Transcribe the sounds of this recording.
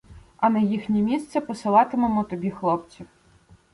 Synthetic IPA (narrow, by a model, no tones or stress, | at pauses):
ɐnɐjixnʲɛmʲist̪sɛpɔsɪlˠɑt̪ɪmɔmɔt̪ɔbʲixlˠɔp̚t͡sʲiw